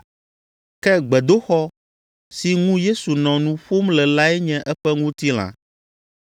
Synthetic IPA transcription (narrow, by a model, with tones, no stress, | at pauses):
kɛ˦ɡ͡bɛ˨d̪o˦xɔ˦ | si˨ŋũ˦je˦su˨nɔ̃˨nũ˦ɸo˦mlɛ˨la˦ɛ˦ɲɛ̃˦ʔɛ˦ɸɛ˦ŋũ˦t̪i˦l̃ã̰˨